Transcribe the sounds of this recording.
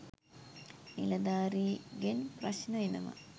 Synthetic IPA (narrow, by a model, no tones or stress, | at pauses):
nḭlɐd̪aːɾiɡenprɐɕnɐinɐmɐ̰